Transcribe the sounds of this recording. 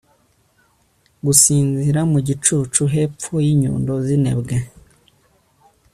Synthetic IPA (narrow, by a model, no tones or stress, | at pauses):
ɡusiːnziɾamuɟit͡ʃuːt͡ʃuɦe̞p͡fojiɲṵːndozinḛbɡe